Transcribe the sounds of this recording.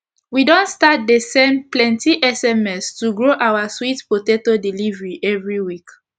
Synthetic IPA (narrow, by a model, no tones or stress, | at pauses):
widɔ̃ntstat̚desɛ̃mplɛ̃ntiʔɛsɛmɛstuɡɹoʔawaswitpotetodilivɹiʔɛvɹiwik